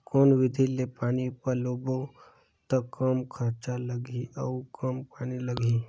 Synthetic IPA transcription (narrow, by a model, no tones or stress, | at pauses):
koːnʋɪd̪ʱilepaːñipəɾloːbo | t̪ɐkəmkʰɐɾt͡ʃalɐɡiɐkəmpaːnilɐɡi